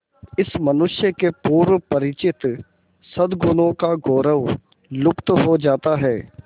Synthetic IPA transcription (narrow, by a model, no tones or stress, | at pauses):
ɪsmənʊʃjəkepuːɾʋpəɾɪt͡ʃɪt̪ | səd̪ɡʊnõkaɡoːɾəʋ | lʊkt̪ɦod͡ʒaːt̪aɦɛː